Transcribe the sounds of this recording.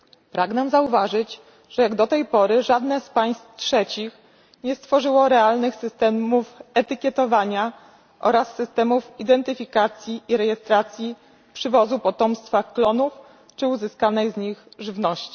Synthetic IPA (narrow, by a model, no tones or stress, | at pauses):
pɾaɡnɛmzauvaʐɘd͡ʑ | ʐ̥ɛjaɡd̪ɔt̪ɛjpɔɾɘʐad̪nɛspaj̃st̪tʂɛt͡ɕix | ɲɛst̪fɔʐɘwɔɾɛalnɘxsɘst̪ɛmufɛt̪ɘkʲjɛt̪ɔvaɲa | ʔɔ̰ɾasːɘst̪ɛmufid̪ɛnt̪ɘfʲikat̪sʲjiʔiɾɛjɛst̪ɾat̪sʲji | pʂɘvɔzupɔt̪ɔmst̪faklɔnuf | t͡ʂɘuzɘskanɛjzɲixʐɘvnɔɕt͡ɕi̥